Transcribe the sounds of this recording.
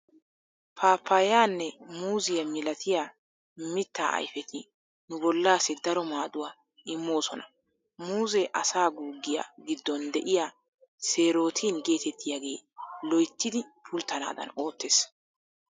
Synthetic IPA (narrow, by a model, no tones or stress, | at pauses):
pʰaːpʰːajaːnːɛmuːzɪjɐmɪlɐt̪ʰɪja | mɪt̪ːaːɐ̰jfɛt̪ʰɪ | nʊbɔlːaːsɪd̪ɐɾɔmaːd̪ʊwaː | ɪmːo̞ːsɔnɐ | muːzɛʔɐsaːɡuːɡːɪja̰ɡɪd̪ːɔnd̪ɛʔɪja | se̞ːɾo̞ːt̪ʰiːnɡe̞ːt̪ɛt̪ːɪjaɡe̞ːlɔjt̪ːɪd̪ɪpʰʊlt̪ːɐna̰ːd̪ɐ̰no̞ːt̪ːeːs